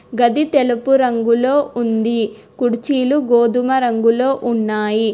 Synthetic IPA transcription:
ɡɐd̪it̪elɐpuɾɐŋɡulo̞ːʔund̪i | kuɽut͡ʃiːluɡoːd̪umɐɾɐŋɡulo̞ːʔunːaːji

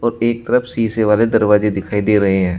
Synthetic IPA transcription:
ɔːɾeːk̚t̪əɾəfsiːseʋaːled̪ɐɾʋaːzed̪ɪkʰaːid̪eːɾɐɦeɦɛ̃ː

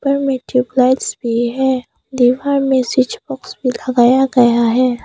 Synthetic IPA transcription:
pəɾmeʈiblaːɪʈsbʱiɦɛː | d̪iʋaːɾmẽsɪt͡ʃbɔksbʱilɐɡaːjaɡɐjaɦɛː

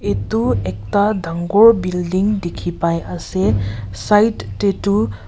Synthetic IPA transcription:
etuek̚tad̪ʱaŋɡobildiŋdekʰipajasesajtːetu

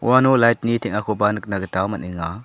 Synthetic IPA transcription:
w̰anolajt̚nitʰɛŋakʰobanɯk̚naɡətawmɐniŋa

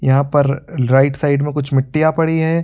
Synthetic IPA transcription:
jɐɦãpɐɾɾaɪʈsaɪɖmẽkʊt͡ʃʰmɪʈːijapɐɽiɦɛː

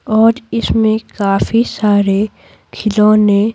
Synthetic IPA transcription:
ɔːɾɪsmẽkaːfisaːɾe | kʰɪlõːnẽ

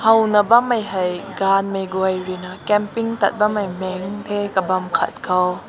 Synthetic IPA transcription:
hɐwnɐbɐmɐjɦɐjɡanmejɡwɐjrinakɛmpiŋt̪ɐ̰t̚bɐmɐjmɛŋt̪ekɐbɐmkʰɐ̰t̚kʰɐw

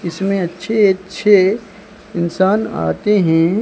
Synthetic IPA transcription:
ɪsmẽɐtːʃʰeɐtːʃʰe | ɪnsaːna̰ːt̪eɦɛ̃ː

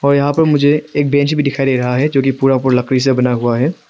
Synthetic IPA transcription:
ɔːɾjɐɦãpɐɾmʊd͡ʒʱeeːk̚bɛ̃ːt͡ʃbʱid̪ɪkʰaːid̪eːɾɐɦaɦɛd͡ʒoːkipuːɾap̬ʊɾlɐkɾis̬ebɐnaɦuaɦɛː

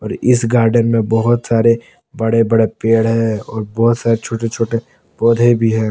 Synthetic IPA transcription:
ɔːɾɪsɡaːɾɖənmẽbɔɦʊt̪saːɾe | bɐɽebɐɽepeːɽɦɛ̃ɔːɾbɔɦʊt̪saːɾet͡ʃʰoːʈet͡ʃʰoːʈe | bɔːd̪ʱebʱiɦɛ̃ː

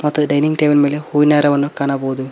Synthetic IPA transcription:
mɐt̪ːɨɖɐjniŋɡʈeːʋɐlmeːlehuːinaːɾɐʋɐnːokaːɳaːboːd̪u

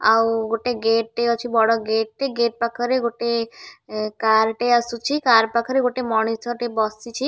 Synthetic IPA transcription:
awɡoʈeɡeʈʈeɔt͡ʃʰibɔɽɔɡeʈʈeɡeʈ̚pakʰɔɾeɡoʈe | kaɾʈeasut͡ʃʰikaɾpakʰɔɾeɡoʈemɔɽ̃itʰɔʈebɔsit͡ʃʰi

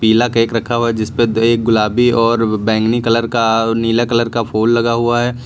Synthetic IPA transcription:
piːlakeːkɾɐkʰaɦuɛd͡ʒɪsped̪eːk̚ɡʊlaːbiɔːɾbɛ̃ːŋɡnikɐləɾkaniːlakɐləɾkapʰoːllɐɡaɦuaɦɛː

